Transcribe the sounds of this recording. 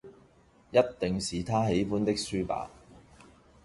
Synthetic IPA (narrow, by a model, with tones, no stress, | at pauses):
jɐ˥t̚t̪ɪ˨ŋsiː˨t̪ʰaː˥ɦe˨˥jfuː˥nt̪ɪ˥k̚syː˥pa̰ː˨˥